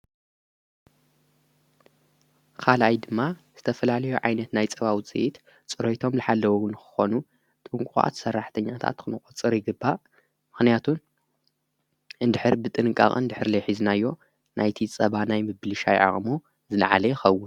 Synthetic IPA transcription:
kʰalʔajd̪ɨmːaz̥ɨt̪ʰɐfɐlalɐjuʕajnɐt̪najt͡sʼɐβawt͡sʼɨ̰ʔit̪ | t͡sʼɨɾot̪ʰo̞mlɨħalːɐwuwɨnxɨ̥xo̞nu | t̪ʼɨŋkʷʼuxʼa̰t̪sɐrːaħt̪ʰɐɲːat̪ʰa̰t̪kʰɨnɨkʼot͡sʼɨɾjɪɡɨbːa | mɨxnijat̪ʰun | ɨnd̪ɨħɨɾbɨt̪ʼɨnɨkʼa̰χʼɨ̰nd̪ɨħɨɾlɐjħiznajːo̞ | nʔajt̪ʰit͡sʼɐβanajmɨbɨlɨʃajʕa̰χʼmu | zɨlʕalɐjɪxɐwːʊn

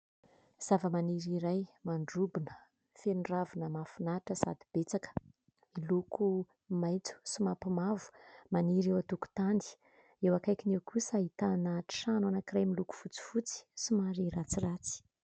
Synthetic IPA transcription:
z̥avəmaniɾiɾajmaɳɖ͡ʐubinə̥ | fenuravinəmafunaʈ͡ʂəsa̰d̪ib̥et͡sakə̥ | milukʰu | majt͡su̥simapimavu̥maniɾewat̪uku̥t̪and̪i̥ | ewakajkinewkusəit̪anaʈ͡ʂi̥ʃanwanakirajmiluku̥fut͡si̥fut͡si̥simaɾirat͡sirat͡si̥

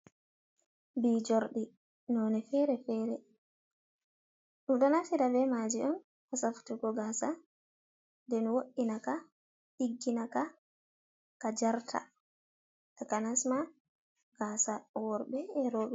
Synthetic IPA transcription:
biːd͡ʒoɾɗi | nɔnɛfɛɾɛfɛːɾɛ | ɗudɔnafiɾabɛmad͡ʒiʔɔn | hasafu̥tuɡɔɡasa | ndɛnwoɗinaka | ɗiɡːinaka | kad͡ʒaɾtʰa̰ | ɗakanasma | ɡ̥aːsawɔɾbɛːɾɔːɓɛ

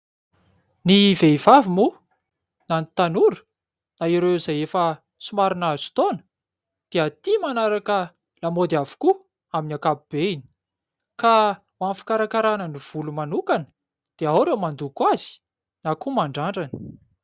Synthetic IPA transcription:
niveivavimu | nanit̪anuɾu̥ | naiɾezajefə | sumaɾinaz̥i̥t̪onə̥ | d̪̥eat̪imanaɾakə | lamod̪iavu̥ku | aminakabib̥eini̥ | ka | wanfi̥kaɾakaɾanəniv̥ulumanukanə̥ | d̪̥eawɾewmand̪ukazi̥ | nakumaɳɖ͡ʐaɳɖ͡ʐanə̥

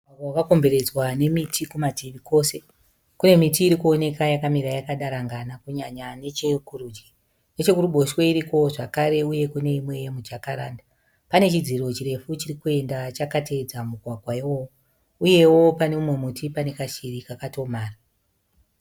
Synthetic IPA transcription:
aɡawkako̞mbe̞ɾe̞d͡zwane̞mitʰikumadʱiʋiko̞se̞ | kune̞mitiːɾikuo̞ne̞kajakamiɾajakaɗaɾaŋɡanakuɲaɲane̞t͡ʃekuɾud͡ʒi | ne̞t͡ʃe̞kuruɓo̞ʃwe̞iɾiko̞ʐakaɾe̞uje̞kune̞imwe̞jemud͡ʒakaɾaːnda | pane̞t͡ʃid͡ziro̞t͡ʃire̞fut͡ʃirikue̞ndat͡ʃakate̞d͡zamuɡʱwaɡʱwaiwowo | uje̞wo̞pane̞umwe̞mutʰipane̞kaʃirikakato̞maːra

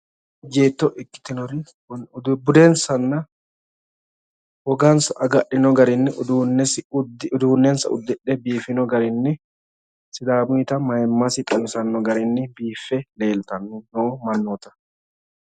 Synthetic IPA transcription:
d͡ʒeːt̪ːɔʔɪkːɪ̥t̪ɪnɔɾɪ | d̪bʊd̪ensɐnːɐ | wɔɡansɐʔɐɡɐʔːɪnɔɡɐɾɪnːɪʊd̪uːnɛsdʊd̪uːnːɛːnsɐ̰ʊ̰d̪ːɪᶑɛbiːfɪnɔɡɐɾɪnːɪ | sɪd̪aːbʊɪt̪ɐmɐjɛmːasɪt̪ʼɐmsɐnːɔɡɐɾɪnːɪbiːfːɛle̞ːlt̪ɐnːʊnoːmɐnːɔːt̪ɐ̥

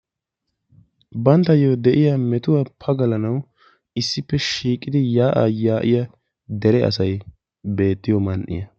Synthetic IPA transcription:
bɐnt̪ːɐjod̪ɛʔɪjɐmɛt̪ʊwapʰɐɡɐlɐnɐw | ɪsːɪpːɛʃiːkʼːɪd̪ɪjaːʔa̰jaːʔɪjɐ | d̪ɛɾɛʔɐ̰sɐj | be̞ːt̪ːɪjɔmɐnʔɪ̰jɐ

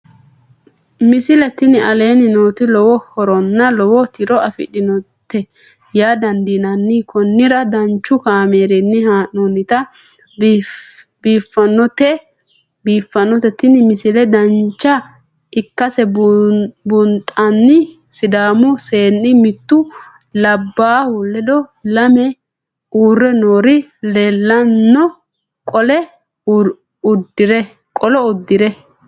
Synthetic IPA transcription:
mɪsɪlɛt̪ːɪnɪɐle̞ːnɪnoːt̪ɪlɔwɔhɔɾɔnːɐlɔwɔt̪ɪɾɔɐfɪ̰ᶑɪnɔt̪ːɛ | jaːd̪ɐnd̪inɐnːɪkɔnːɪɾɐd̪ɐnt͡ʃːʊkaːmeːɾɛnːɪhaːnonɪt̪ɐ | biːfːɐnːɔt̪ɛ | biːfːɐnːɔt̪ɛt̪ːɪnɪmɪsɪlɛd̪ɐnt͡ʃːɐ | ɪkːɐsɛ | bʊnt̪ʼɐnːɪ | sɪd̪aːmʊse̞ːnːɪmɪt̪ːʊ | lɐbːaːhʊlːɛd̪ɔlɐmɛ | uːrːɛnoːɾɪleːlːɐnːɔ | kʼɔlɛ | ʊd̪ːɪɾɛ | kʼɔlɔʊd̪ːɪɾɛ

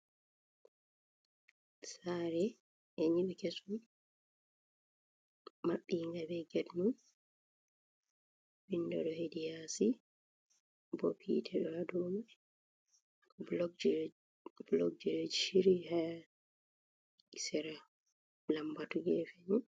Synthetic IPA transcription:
saɾɛ | ɛɲiɓɛkesu | maɓːiŋɡabɛɡɛdnun | bindɔ̰ɗɔhedijasi | bɔ̰pʰḭtʰɛɗɔadɔmɛ | bl | blɔɡ̚d͡ʒɛɾd͡ʒʃiɾiha | isɛɾa | lambatuɡɛfɛɲɛ

